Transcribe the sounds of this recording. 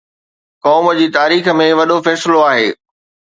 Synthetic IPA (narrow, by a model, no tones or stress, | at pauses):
kɔːmə̆d͡ʑiːt̪aːɾiːxəmẽʋɐɗofɛːsɪloaːɦeː